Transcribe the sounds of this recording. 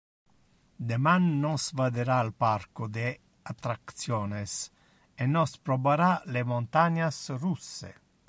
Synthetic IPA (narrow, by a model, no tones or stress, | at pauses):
d̪emanːɔsvad̪eɾaːlparkod̪e | at̪ɾakt̪sjɔːnes | enɔspɾobaɾalemont̪aɲasrusːḛ